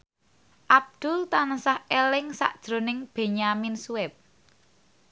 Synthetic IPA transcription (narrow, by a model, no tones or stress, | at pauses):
ʔab̚d̪̥ʊ̤lt̪ansahelɪŋsa̰ʔd̥ʒ̥ɾo̤nɪŋb̥e̤ɲaminsuɛp̚